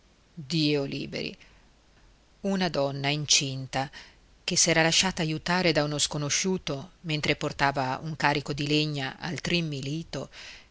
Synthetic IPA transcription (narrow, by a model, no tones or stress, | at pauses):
d̪iːolḭːbḛɾḭ | unad̪ɔnːaint͡ʃint̪a | kesːɛːɾalaʃːaːt̪aːjut̪aːɾed̪aunoskonoʃuːt̪oment̪ɾeport̪aːvaṵŋkaːɾikod̪ileɲːaʔa̰lt̪ɾimːiliːt̪o